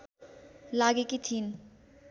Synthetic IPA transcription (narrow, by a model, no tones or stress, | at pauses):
laɡekit̪ʰin